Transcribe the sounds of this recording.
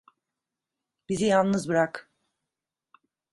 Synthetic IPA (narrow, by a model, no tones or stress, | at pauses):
b̥izijalˠnɯzbɯɾak